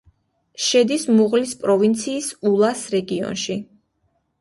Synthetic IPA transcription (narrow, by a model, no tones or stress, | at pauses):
ʃɛd̪ismuʁlispʼɾɔvint̪sʰiːsulˠasɾɛɡiɔ̰nʃi